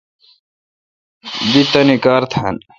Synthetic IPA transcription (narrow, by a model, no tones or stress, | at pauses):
bit̪ɐnikaːɾt̪ʰan